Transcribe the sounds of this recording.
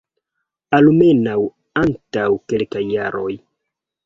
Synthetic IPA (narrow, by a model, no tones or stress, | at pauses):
alumenaw | antawkelkajːaɾo̞j